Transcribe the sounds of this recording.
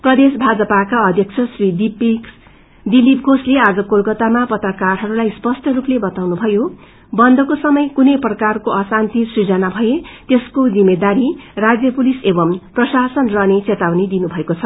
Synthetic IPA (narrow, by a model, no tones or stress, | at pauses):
prʌd̪esbʱad͡zʌpakaʌd̪ʱjʌk̚t͡sʰʌsrid̪ipiks | d̪ilip̚ɡʱoslead͡zʌkolkʌt̪amapʌt̪rʌkarɦʌɾulajspʌsʈʌruplebʌt̪awnubʱʌjo | bʌnd̪ʱʌkosʌmʌjkunʌjprʌkarkoʌsant̪isrid͡zʌnabʱʌjet̪eskod͡zimed̪aɾirad͡zjʌpulisebʌmprʌsasʌnrʌnet͡set̪awnid̪inubʱʌekot͡sʰʌ